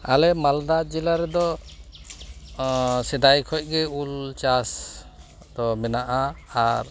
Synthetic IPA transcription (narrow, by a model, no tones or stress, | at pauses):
alɛmald̪ad͡ʒɛlaɾɛd̪ɔ | sɛd̪ajkʰɔj̚ˀɡɛult͡ʃas | d̪̥ɔmɛnaʔaaɾ